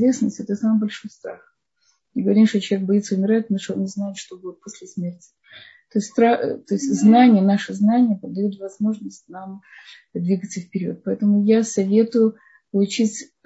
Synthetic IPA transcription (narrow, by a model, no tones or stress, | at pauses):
vʲesnəsʲtʲɛt̪əsamɨbɐlʲʂo̞jst̪ɾax | ɨɡəvɐɾʲimʂt̪ot͡ɕɪlˠvʲek̚bɐjit̪səʊmʲɪɾaɪt̪̚mɨʂoonːʲɪznajɪt̪ʂt̪oɡɨt̪̚posʲlʲɪsmʲertʲɪ̥ | t̪ost̪ʲst̪ɾat̪o̞ɪsʲtʲznanʲɪjənaʂɨznanʲɪjəpəd̪ɐjut̪vɐzmo̞ʐnəsʲtʲnam | d̪vʲiɡət̪səfpʲɪɾʲo̰t̪̚pɐɛt̪əmʊjasɐvʲe̞t̪ʊjʊ | pəlˠʊt͡ɕitʲ